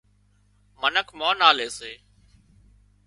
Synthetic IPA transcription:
mənəkʰmãːnaːleːseː

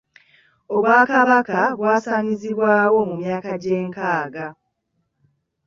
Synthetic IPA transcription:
o̞βwaːkaβakaβwaːsaːɲiziβwaːwo̞mumjaːkaɟe̞ːŋkaːɡa

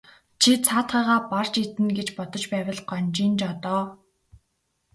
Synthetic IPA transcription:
t͡ɕʰit͡sʰaːt̪χæːʁaːpar̥t͡ɕit̪ɘ̆nɡet͡ɕpɔt̪ɞ̆t͡ɕpæːwʲə̆ɮɢɔnt͡ɕint͡ɕɔt̪ɔː

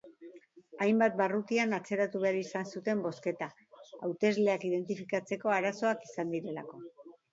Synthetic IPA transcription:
ajmbat̪̚barut̪ianat͡se̞ɾat̪uβe̞aɾisansut̪e̞mbo̞ske̞t̪a | awt̪e̞zle̞akið̞e̞nt̪ifikat͡se̞ko̞aɾaso̞akisand̪iɾe̞la̰ko̞

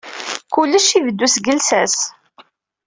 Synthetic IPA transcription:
kʊlːəʃivəd̪ːusɡəlsæs

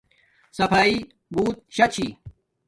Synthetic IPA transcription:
sɐpaːi | buːt̪̚ɕɐt͡ɕʰi

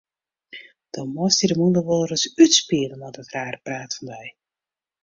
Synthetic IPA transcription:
d̥ɔmɔstidəmundəʋolˠərəsytspiələnɔdətraːrəpraːtfɔndɛj

